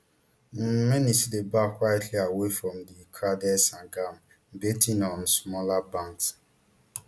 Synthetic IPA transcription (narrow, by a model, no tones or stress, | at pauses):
m̩mɛnisidebakwaɪtliawefɾɔmdikʰadɛsãɡam̩ | betĩnɔ̃nsmɔlabãŋks